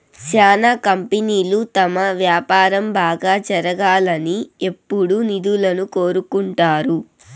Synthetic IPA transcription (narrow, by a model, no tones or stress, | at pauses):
t͡ʃaːnakɐmpiniːlut̪ɐmɐʋjaːpaːɾɐmbaːɡaːd͡ʒɐɾɐɡaːlɐnie̞pːuɽunid̪ulɐnuko̞ːɾukuɳʈaːɾu